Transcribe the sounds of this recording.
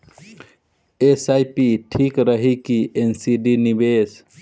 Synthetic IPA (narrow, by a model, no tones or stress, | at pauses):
esajpiʈʰikɾəɦikiensiɖinibes